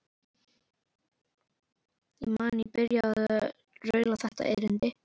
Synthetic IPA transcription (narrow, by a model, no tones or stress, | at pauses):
imaːnipɪɾjað | rœːɥlaθɛht̪a̰ʔɛ̰ɾʏnt̪ɪ